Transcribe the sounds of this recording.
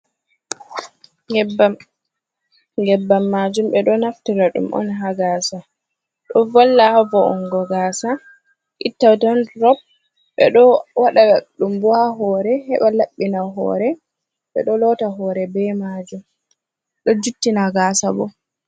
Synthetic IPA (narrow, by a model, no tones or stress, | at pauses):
ŋɡɛbːam | ɡɛbːamːad͡ʒumɓɛɗɔnaftiɾaɗṵmʔɔ̰nɦaɡasa | ɗɔvɔlːahavɔʔɔŋɡɔɡaːsa | ʔitːawtɔnɾɔb̚ | ɓɛ̰ɗɔwaɗaaɗumbɔhaɦɔɾɛhɛɓalaɓːinaɦɔ̰ːɾɛ | ɓɛ̰ɗɔlɔtaɦɔɾɛbɛmad͡ʒum | ɗɔd͡ʒutːinaɡaːsabɔ